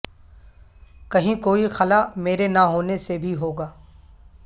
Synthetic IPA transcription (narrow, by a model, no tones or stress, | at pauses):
kɐɦĩkoːixəlaːmeːɾenaɦoːnesebʱiɦoːɡaː